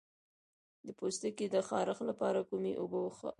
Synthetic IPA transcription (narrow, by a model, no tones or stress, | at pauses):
d̪əpost̪əked̪əxɑɾəxlapɑɾakumeʔobəwx